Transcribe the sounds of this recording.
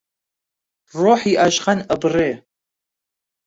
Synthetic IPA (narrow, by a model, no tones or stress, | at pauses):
roːħiʔaʒχɐnɐbɨreː